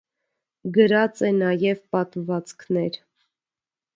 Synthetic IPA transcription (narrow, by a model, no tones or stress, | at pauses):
ɡəɾɑt͡sɛnɑjɛvpɑt̪vɑt͡skʰnɛɾ